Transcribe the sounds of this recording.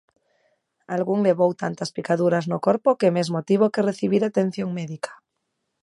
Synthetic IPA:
alɣuŋleβowt̪ant̪aspikaðuɾaznokoɾpokemezmot̪iβ̞okereθiβiɾat̪ẽn̟θjoŋmeðikḁ

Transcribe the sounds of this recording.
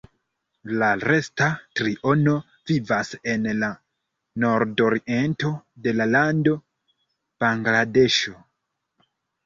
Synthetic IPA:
laɾe̞statɾiʔo̞no̞ | vivase̞nla | no̞ɾdo̞ɾiʔe̞nto̞de̞lalando̞ | b̥aŋɡlade̞ʃo̞

